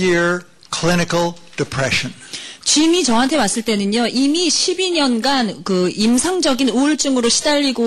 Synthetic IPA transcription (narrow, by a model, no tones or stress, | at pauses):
ɪɹ | kʰl̥ɪnɨkl̩ˠd̥ɨpʰɹ̥ɛʃɨ̃nt͡ɕimit͡ɕʌɦantʰe̞mas͈ɯɭt͈e̞nɯɲoʔimiɕʰibiɲʌnɡankɯimsʰaŋd͡ʑʌɡinuɭt͡ɕ͈ɯŋɯɾoɕʰi̥daʎːiɡo